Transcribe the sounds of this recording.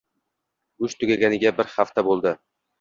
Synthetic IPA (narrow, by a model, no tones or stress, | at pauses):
ʊʃt̪ʰʊɡʲaɡʲanɪɡʲabɪɾhaft̪abolˠd̪ɪ